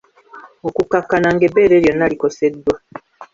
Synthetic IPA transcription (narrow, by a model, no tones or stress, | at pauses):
okukakanaŋɡebeːɾeɾjonalikosedːwa